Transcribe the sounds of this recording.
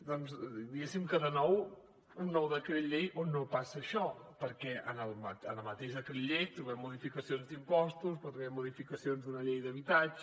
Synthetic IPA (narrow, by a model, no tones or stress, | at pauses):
d̪ɔnzd̪iɣɛsimkəðənɔw | unːɔwðəkɛʎʎejʔonːopasəːʃɔpəɾkɛʔə̰nəlˠməənəmət̪eʃəkiʎʎːejt̪ɾuβɛmːuðifikəsionzd̪impɔst̪us̬pəɾt̪ɾuβɛmːuðifikəsionzðunəʎejðəβit̪ad͡ʒ